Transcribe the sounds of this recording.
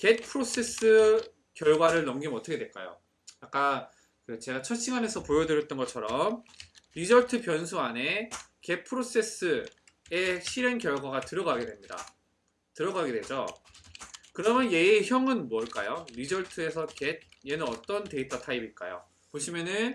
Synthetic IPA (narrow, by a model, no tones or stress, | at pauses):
ke̞t̚pʰɯɾos͈ʰe̞s͈ʰɯ | kjʌɭɡwaɾɯɭnʌmɡimʌt͈ʰʌkʰeweɭk͈a̰jo̰ | jak͈a | kɯt͡ɕe̞ɡat͡ɕʰʌɕʰiŋane̞sʰʌpojʌdɯɾjʌt͈ʌnɡʌt͡ɕʰʌɾʌmɾid͡ʑʌɭtʰɯpjʌnsʰuane̞ke̞t̚pʰɯɾos͈e̞s͈ɯ | e̞ɕʰiɾenkjʌɭɡwaɡatɯɾʌɡaɡe̞dwe̞mɲida̰ | tɯɾʌɡaɡedwe̞d͡ʑo | kɯɾʌmjʌnje̞ːçjʌŋɯnmwʌɭk͈a̰joɾid͡ʑʌɭtʰɯe̞sʰʌked̚je̞nɯnʌt͈ʌnte̞it͈̚ʌtʰaibiɭk͈a̰jo̰ | poɕʰimjʌnɯn